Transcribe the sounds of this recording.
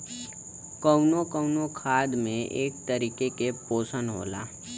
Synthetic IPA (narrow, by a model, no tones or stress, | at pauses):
kəʊnokəʊnokʰaːd̪mẽʔḛːk̚t̪əɾiːkekepoːsənɦo̰ːla̰ː